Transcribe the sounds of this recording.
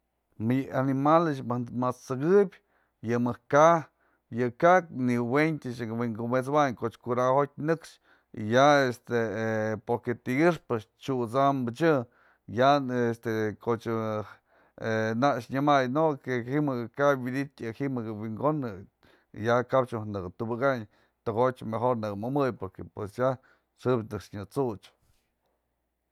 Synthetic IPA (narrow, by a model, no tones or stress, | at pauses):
manimalɨt͡ʃmat͡sɨɡɨbʲ | jɨmɨka | jɨkak̚niwent̪ʲɨt͡ʃwiŋɡomet͡swaɲkot͡ʃkuɾahot̪̚ʲnɨkʂ | ḭjaest̪epoɾket̪iɡɨʂpɨt͡ʃ | t͡ʃut͡sambɨt͡ʃɨ | jaest̪ekot͡ʃɨ | enaʔʂɲɨmajnokehimɨɡɨkabwid̪it̪ʲɨhimɨɡɨwiŋɡonɨ | jakabt͡ʃuhnɨkɨt̪ubɨkaɲ | t̪ɨɡot͡ʃmexoɾnɨkmɨmɨjpoɾkepwesja | ʂɨbnɨkʂɲɨt͡sut͡ʃ